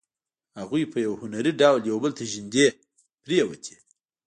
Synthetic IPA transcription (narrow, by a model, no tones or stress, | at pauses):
haɣujpəjawhʊnaɾiɖawljawbəlt̪ʰaʒind̪e | pɾijawə̰t̪ʲʰi̥